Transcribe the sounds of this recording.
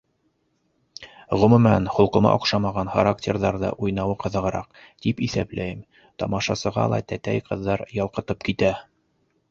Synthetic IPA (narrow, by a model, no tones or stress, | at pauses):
ʁɵ̆mɵ̆mænχŏlˠqɤ̆mɑ̰ʔŏqʃɑmɑʁɑnχaɾaktʲeɾðɑɾðɤ̰ʔujnɑwɤqɤ̆ðɤ̆ʁɤ̆ɾɑq | t̪ipiθæplæjɘm | t̪ɑmɑʃɑsɤ̆ʁɑ̰lˠɑ̰t̪æt̪æjqɤ̆ðːɑɾjɑlˠqɤ̆t̪ɤp̚kit̪æ